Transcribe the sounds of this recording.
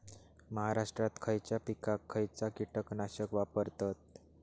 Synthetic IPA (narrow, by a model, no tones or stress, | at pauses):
məɦaɾaʂʈɾat̪kʰəjt͡ɕjapikakʰːəjt͡sakiʈəknaɕəkʋapəɾt̪at̪̚